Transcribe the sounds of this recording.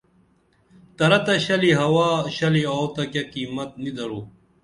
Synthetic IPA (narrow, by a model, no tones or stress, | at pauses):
t̪ɐɾɐt̪ɐɕɐliɦɐwaːɕɐlioːt̪ɐkɐkiːmɐt̪̚nid̪ɐɾoː